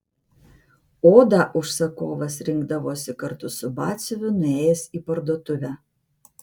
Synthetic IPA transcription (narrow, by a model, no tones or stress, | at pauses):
oːd̪ɑʔʊʃsɐkoːʋɐsɾʲɪŋɡd̪ɐʋoːsʲɪkɐɾt̪ʊsʊbɑːsʲʊʋʲʊnʊeːjɛsipɐɾd̪oːt̪ʊʋʲæ